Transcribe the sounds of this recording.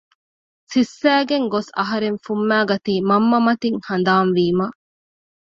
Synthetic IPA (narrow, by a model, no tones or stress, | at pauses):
sisːæːɡeŋɡosɐ̰ɦɐɾeŋfumːæːɡɐt̪iːmɐmːɐmɐt̪iŋhɐnd̪aːnʋiːmɐ